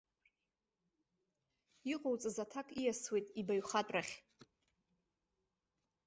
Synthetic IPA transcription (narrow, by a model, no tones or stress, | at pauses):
iqʼowt͡sʼɨzatʰakʼijaswejtʼibajɥχatʷʼraχʲ